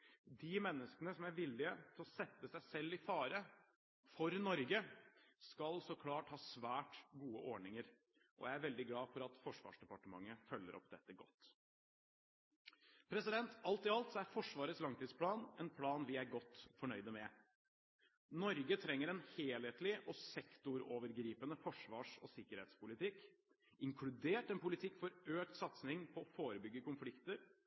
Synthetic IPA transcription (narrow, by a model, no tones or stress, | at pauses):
d̪ɪmɛnːəskənəsɔmæɾʋɪlːɪət̪ʰɪɔsɛt̪ːəsæɪsɛlːɪfɑːɾə | fɔɾnɔɾɡəskɑlsɔkʰlɑːʈhɑːsʋæːʈɡuːəʔɔɖɳɪŋəɾ | ʔɔ̰jæɪæɾʋɛld̪ɪɡlɑːfɔɾɑt̪fɔʂʋɑ̰ːʂd̪ɛpɑʈəmɑŋːəfœlːə̰ɾɔ̰pd̪ɛt̪ːəɡɔt̪ː | pʰɾɛsɪd̪ɛnt̪ɑlt̪ɪɑlt̪sɔæɾfɔʂʋɑːɾət̪slɑŋt̪ʰiːd̪spʰlɑːnɛnpʰlɑːnʋɪæɾɡɔt̪ːfɔɳœʏd̪əmɛ | nɔɾɡət̪ʰɾɛŋːəɾɛnheːlheːt̪lɪʔɔsɛkt̪ʊɾoːʋəɾɡɾiːpənəfɔʂʋɑːʂɔ̰sɪkəɾheːt̪spʊlɪt̪ɪk | ɪŋkʰlʉd̪eːʈɛnpʊlɪt̪ʰɪkːfɔɾøːk̚t̪sɑt̪snɪŋpʰɔːfoːɾəbʏɡːəkʊnflɪkt̪əɾ